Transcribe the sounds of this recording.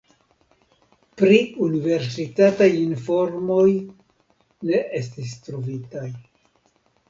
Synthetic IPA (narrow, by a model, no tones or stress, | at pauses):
pɾiunive̞ɾsitatajinfo̞ɾmo̞j | ne̞ʔe̞stis̬tɾovitaj